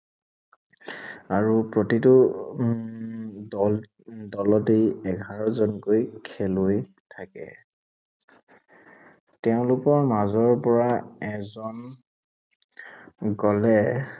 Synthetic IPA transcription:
aɹupɹotitʊ | dɔlɔtejɛɡʱaɹɔzɔnkojkʰɛloj | tʰakɛ̰ | tɛʊ̃lʊkɔɹmazɔɹpɔɹaɛzɔn | ɡɔlɛ

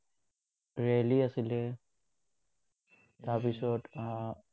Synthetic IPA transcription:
ɹialiasilɛ | t̪apisɔt

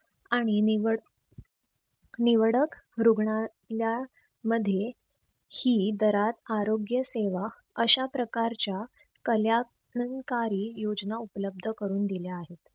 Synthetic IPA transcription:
aɽ̃iniʋ | niʋəɽəkɾuɡɳa | lja | məd̪ʱːje | hiːd̪əɾat̪aɾoɡjəseʋa | əɕapɾəkaɾt͡ɕja | kəlja | əŋkaɾiːjod͡znaupələb̚d̪ʱəkəɾuːnd̪iljaːɦet̪

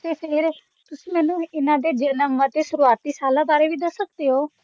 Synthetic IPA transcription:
t̪eːseɾeː | t̪ʊsĩːmɛːnũːɪnãːd̪eːd͡ʒənəmət̪eːsʊɾuaːt̪ːiːsaːlãːbaːɾeːʋiːd̪əsːəkd̪eːɦoː

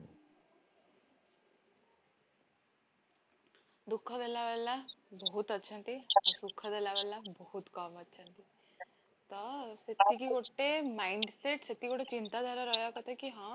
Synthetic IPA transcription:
d̪ukʰːad̪elaʋelːãbɔɦut̪ətːʃʰãnt̪iɔsukʰːad̪elaʋɛlːãbɔɦut̪kɔmətːʃʰãnt̪i | t̪ɔset̪ːikikoʈːemaːiɳɖseʈset̪ːikoʈet͡ʃint̪ad̪ʱaɾaɾɔːɦjakət̪ʰekiɦãː

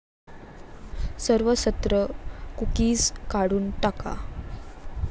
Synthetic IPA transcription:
səɾʋəsət̪ɾəkukiːskaɽuːnʈaka̰

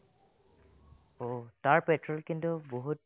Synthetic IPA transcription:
otaɹpɛtɹɔlkintuboɦut

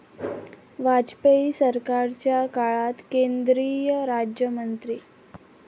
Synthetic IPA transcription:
ʋad͡ʑpeisəɾkaɾt͡ɕjakaɭat̪kend̪ɾijəɾad͡ʑjəmənt̪ɾiː

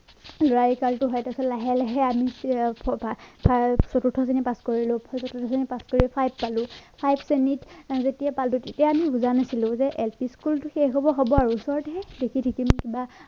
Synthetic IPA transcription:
lɹajkaltʊɦɔjtasɔllaɦɛlɛɦɛami | pʰasɔtutʰɔs̬enipaskoɹilʊ̃sɔtutʰɔsenipaskoɹipʰajb̚ːalʊ̃pʰajbsenitzetijapaltʊtetijaamibuzanasilʊ̃zɛʔɛlpiskultʊxeɦɔbɔɦobɔaɹuːsɔɹɔtɦɛdekʰitʰikimkiba

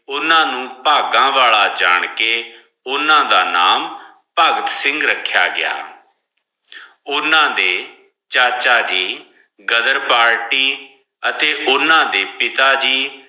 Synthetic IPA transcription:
ʊnãːnũːpaːɡãːʋaːɭaːd͡ʒa̰ːɳ̃keː | ʊnãːd̪aːnaːm | pəɡət̪sɪ̃ŋɡɾəkʰːja̰ːɡɪja̰ː | ʊnãːd̪eː | t͡ʃaːt͡ʃaːd͡ʒiː | ɡəd̪əɾpaːɾʈiː | ət̪eːʔʊnãːd̪eːpɪt̪aːd͡ʒiː

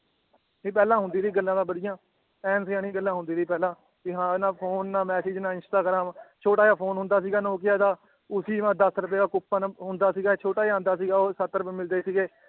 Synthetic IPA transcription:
eːpɛːlãːɦʊ̃nd̪iːɾiːɡəlːãːd̪ãːbəɽɪjãː | ɛːnsjãːnĩːɡəlːãːɦʊ̃nd̪iːɾiːpɛːlãː | kiɦãːnãːpʰoːnːaːmɛːseːd͡ʒnãːɪnsʈaːɡɾãːmt͡ʃʰoːʈaːjaːpʰoːnɦʊ̃nd̪aːsiːɡaːnoːkɪjaːt̪aː | ʊsiːãːd̪əsɾəpeːkaːkʊpːanɦʊnd̪aːsiːɡaːt͡ʃʰoːʈaːjãːnd̪aːsiːɡaːoːsət̪ːɾəpeːmɪld̪eːsiːɡeː

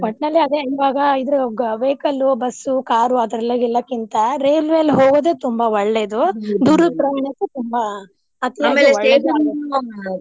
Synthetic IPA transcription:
pɐʈnɐlːiɐd̪eʋaːɡɐid̪ɐɾuʋeːkɐlubɐsːukaːɾuɐd̪ɾɐlːɐɡilːɐkint̪ɐɾeːlʋeːlɦoːɡoːd̪eːt̪umbɐwɔɭːed̪ud̪uːɾupɾɐmnɐk̪ːet̪umbɐ | ɐt̪ijaaeɐɭed̪u

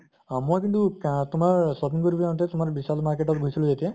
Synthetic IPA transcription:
mojkintuktʊmaɹsɔpinkoɹibañt̪ɛtʊmaɹbisalmaɹkeʈɔt̪̚ɡʱujsilʊ̃zet̪ija

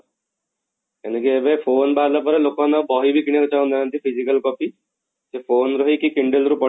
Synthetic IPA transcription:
enekiebejpʰoːnbalapɔɾelokɔnɔbɔɦibikinekot͡ʃaũnd̪anʌnt̪ipʰizikalkɔpi | sepʰoːnɾɔɦikikiɳɖelɾupɔ

